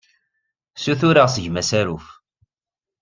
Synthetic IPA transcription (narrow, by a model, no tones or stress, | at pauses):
suθuɾaʁsəʝmæsæɾuf